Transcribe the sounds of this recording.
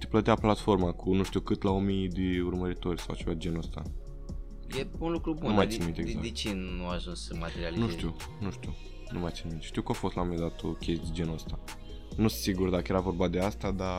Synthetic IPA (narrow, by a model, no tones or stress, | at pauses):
t̪e̥plət̪eaplat̪fo̞rmakʰunuʃt̪iuwkɨt̪laomijd̪eurməɾit̪o̞rʲsawat͡ʃevad͡ʒenost̪a̰ | jeunlukɾubunumajainmit̪eɡzad̪et͡ʃinuaʒunsəmat̪eɾialinuʃt̪i | nuʃt̪iu | nṵmajat̪sinmit̪ʃt̪iuwkuafo̞st̪laomed̪at̪okʲʰest̪ʲd͡ʒenəst̪a | nusiɡurd̪akəje̞ɾavo̞rbad̪e̞ast̪ad̪a